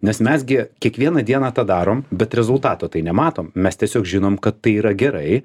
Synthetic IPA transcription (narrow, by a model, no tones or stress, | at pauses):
nʲɛsmʲɛsɡʲɪkʲiɛkʋʲiɛnɐd̪ʲiɛnɑːt̪ɑːd̪ɑːɾoːmbʲɛt̪ɾʲɛzʊlˠt̪ɑːt̪oːt̪ɐɪnʲɛmɑːt̪oːmmʲɛst̪ʲiɛsʲoːkʒʲɪnoːmkɐt̪ːɐɪiːɾɐɡʲɛɾɐɪ